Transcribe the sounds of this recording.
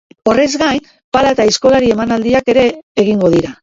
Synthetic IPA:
o̞re̞zɡajn | palat̪aisko̞laɾie̞manald̪iake̞ɾe̞ːɣ̞iŋɡo̞ð̞iɾa

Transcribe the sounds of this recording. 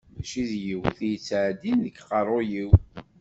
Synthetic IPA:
ðæʃiðjiwθijət͡sːʕd̪inðəkːqɑrˤojiw

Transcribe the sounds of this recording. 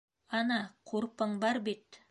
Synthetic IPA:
ɑnɑqʰoɾpəɴbɑɾbet̪

